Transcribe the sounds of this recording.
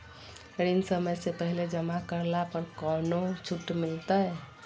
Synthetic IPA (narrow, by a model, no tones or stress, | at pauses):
ɾinsəməjsepəɦiled͡ʒəmakəɾlapəɾkənot͡ʃʰuʈːmilt̪əj